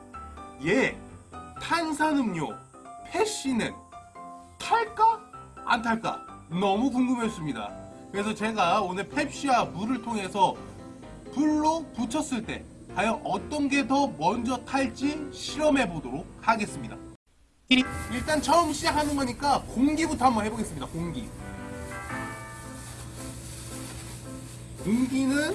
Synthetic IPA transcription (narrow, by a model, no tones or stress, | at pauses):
je̞ | tʰansʰanɯmɲo̰ | pʰe̞ɕ͈inɯn | tʰaɭk͈aa̰ntʰaɭk͈a̰nʌmukuŋɡɯmɦes͈ɯmɲida̰kɯɾe̞s̬ʰʌt͡ɕe̞ɡaonɯɭpʰe̞pɕ͈iwamuɾɯɭtʰoŋɦe̞sʰʌ | puɭːoput͡ɕʰʌs͈ɯɭt͈e̞̰ | kwajʌʔʌt͈ʌnɡe̞dʌmʌnd͡ʑʌtʰaɭt͡ɕ͈imɕʰiɾʌme̞bodoɾok̚kʰaɡe̞s͈ɯmɲida̰ | iɭt͈ant͡ɕʰʌɯmɕ͈iɦanɯnɡʌɲik͈akoŋɡibutʰohambʌnɦe̞boɡe̞s͈ɯmɲidakoŋɡḭ | koŋɡinɯn